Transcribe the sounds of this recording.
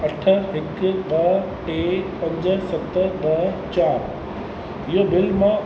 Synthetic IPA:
ɐʈʰə̆ɦɪkɓɐ | ʈeːpɐ̃ɲd͡ʑə̆sɐt̪ə̆ɓɐt͡ɕaːɾ | ɪɦobɪlmã

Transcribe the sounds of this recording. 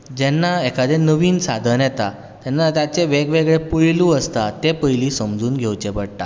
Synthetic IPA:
d͡ʑɛnːaekʰad̪enəʋiːnsad̪ʱənjɛt̪a | t̪jɛnːat̪jat͡seʋeɡʋeɡɭepuɭiluəst̪at̪epəjliːsəmd͡zuːnɡʱewt͡ɕepəɽʈ̪a̰

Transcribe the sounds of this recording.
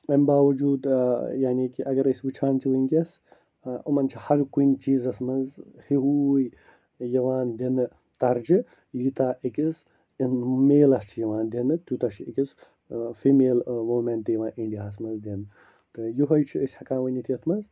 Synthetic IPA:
ɐmʲbaːʋɐd͡ʒuːd̪jaːniːkiʔɐɡɐɾɐsʲʋɨt͡ʃʰaːnt͡ʃʰiʋɨnkʲes | umɐnt͡ʃʰihɐɾkunt͡ʃiːzɐsmɐzhiɦuj | jɐʋaːnd̪inɨ | t̪ɐɾd͡ʒɨ | jit̪aːʔekʲis | meːlɐst͡ʃʰijɐʋaːnd̪ʲinɨt̪ut̪ɐt͡ʃʰiekʲis | fiːmeːlmoːmenʈ̪ːjɐʋãːnʔiɳɖiaːsmɐzd̪enɨ | t̪ɨjuɦɐjt͡ʃʰiɐsʲhɐkãːnʋɐnʲit̪ʰijɐt̪ʰmɐz

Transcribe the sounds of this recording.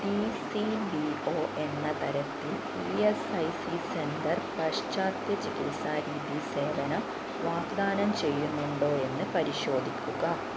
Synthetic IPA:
ɖisiɖio̞ːʔe̞nːɐt̪ɐɾɐt̪ːil | iesɐjsisenɖ̪ɐrpɐʂt͡ɕaːt̪jɐt͡ɕikilsaːɾiːðise̞ːʋɐnɐ | ʋaːɡd̪aːnɐmt͡ɕe̞jːunːuɳɖo̞ːe̞nːɨpɐɾiɕo̞ːd̪ʱikʲːuɣɐ

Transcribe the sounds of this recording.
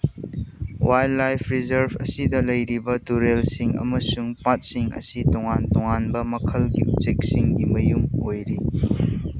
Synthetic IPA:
wʔajlːajpʰɾizɐɾbɐ̰sidɐlɐjɾibɐtuɾelsiŋɐ̰mɐsuŋpat̚siŋɐ̰sitoŋantoŋanbɐmɐkʰɐlɡiṵp̚t͡ʃek̚siŋɡimɐjumojɾi

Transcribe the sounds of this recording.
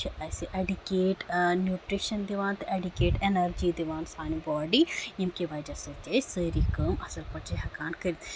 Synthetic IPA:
t͡ʃʰiʔɐsiʔɐɖikeːʈnjuːʈɾiʃɐnd̪iʋãːnt̪ɨʔɐɖikeːʈenɐɾd͡ʒid̪iʋaːnsaːnibɔːɖijimkiʋaːjd͡ʒɐsɐt͡ʃesəɾikəːmɐsɐlpɐt͡ʃʰeɦɐkaːnkɐɾit̪ʰ

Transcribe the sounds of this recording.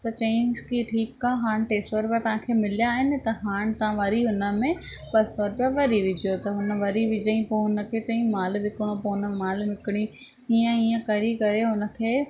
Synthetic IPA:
t̪ɐt͡ɕẽːnzkiʈʰiːkːaːɦaːɽ̃ʈeːsʈʋəɾpjat̪ɐʋ̤ãkʰeːmɪlijaːɦɪnɪ̆t̪ɐɦaːɽ̃t̪ɐʋãʋɐɾiɦʊnə̆mẽpɐsʋəɾpijaʋɐɾiʋɪd͡ʑjot̪ɐɦʊnə̆ʋɐɾiʋɪd͡ʑəĩpoɦʊnə̆kʰeːt͡ɕɐ̃ĩmaːlʋɪkɪɽ̃opoːnə̆maːlʋɪkɪɽ̃i | iə̃iːə̃kɐɾikɐɾeɦʊnə̆kʰeː

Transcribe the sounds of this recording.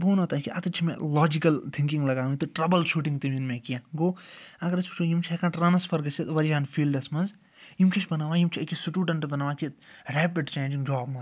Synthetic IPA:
boːnɐt̪aːkiʔɐt̪ɨt͡ʃʰimḛ̃lɔːd͡ʒikɐlt̪ʰiŋkiŋɡlɐɡaːʋit̪ɨʈɾɐbɐlʃuːʈĩŋɡt̪iminmẽkijãːɡoːɐɡɐɾɐspɐt͡ʃʰoːjimt͡ʃʰekãʈɾɐːnɐspʰɐɾɡɐset̪ʋɐɾjaːnfʰiːlɖɐsmɐnz | jimkʰet͡ʃʰbɐnaːʋãːjimt͡ʃʰiɐkisuʈuːʈɐɳʈɐbɐnaːʋãːkiɾɛːpiɖt͡ʃeːnd͡ʒiŋɡd͡ʒɔːbmɐz

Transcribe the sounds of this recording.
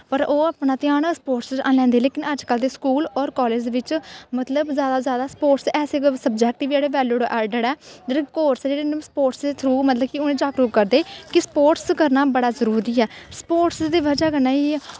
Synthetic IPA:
pəɾoːaːpnaːt̪ɪaːnsə̥poːʈsanlɛ̃ːnd̪eːleːkɪnəd͡ʒkəld̪eːskuːlɔːɾkɔːleːd͡ʒeʋɪt͡ʃmət̪ləbzjaːd̪aːzjaːd̪aːspoːʈsɛːseːsəb̚d͡ʒɛːk̚ʈɪʋd͡ʒeːɽeːʋɛːluːɽʔɛːlɖəɽɛːd͡ʒeːɽekoːɾsd͡ʒeːɽeːnspoːʈsd̪eːt̪ʰɾuːmət̪ləbkɪʊnẽːd͡ʒaːkɾukkəɾd̪eːkɪsə̥poːʈskəɾnaːbəɽaːzəɾuːɾiːɛːsə̥poːʈsd̪eːʋəd͡ʒaːɡənːaːiː

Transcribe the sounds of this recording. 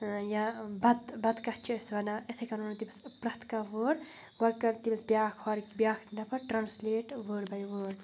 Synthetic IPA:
jabɐt̪bɐt̪kɐht͡ʃʰiɐsʋɐnaet̪ʰekɐnoːnt̪ibɐspɾɐt̪ʰkaʋəːɾ | ɡɐɾkɐɾt̪ibɐsbjaːkʰhaɾkbjaːk̪ʰnɐpʰɐɾʈɾaːnsleːʈʋəːɾbɐjʋəːɾ

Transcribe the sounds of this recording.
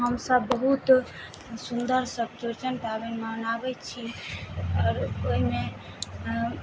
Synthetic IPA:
ɦəmsəbːəɦut̪ | sund̪əɾsəb̚t͡ʃot͡ʃənʈabɛmanabɛt͡ʃʰi | ɔːɾoime

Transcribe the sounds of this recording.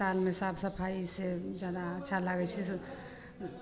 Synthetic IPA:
almesabsəpʰaised͡ʒjad̪aətːʃʰalaɡɛt͡ʃʰis

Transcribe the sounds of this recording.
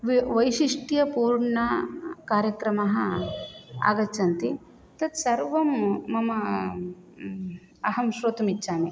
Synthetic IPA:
ʋʋɐjʃiʂʈijɐpuːɾɳɐkaːɾjɐkɾɐmɐɦɐ | a̰ːɡɐt͡ʃɐnt̪i | t̪ɐt̪sɐɾʋɐmːɐmɐ | ɐɦɐmʃɾoːt̪umitːʃaːme

